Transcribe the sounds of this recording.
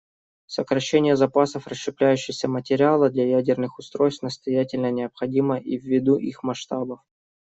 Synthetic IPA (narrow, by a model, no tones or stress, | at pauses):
səkɾɐɕːenʲɪjəzɐpasəfrəsʂɨplʲæjʉɕːɪsʲəmətʲɪɾʲɪalˠəd̪lʲɐjædʲɪrnɨxʊst̪ɾo̞jst̪nəst̪ɐjætʲɪlʲnənʲɪəpxɐdʲiməʔivʲːɪd̪uʔixmɐʂt̪abəf